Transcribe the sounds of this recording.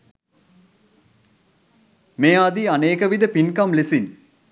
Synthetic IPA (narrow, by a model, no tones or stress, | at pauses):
meːd̪ianeːkəʋid̪əpinkamlesin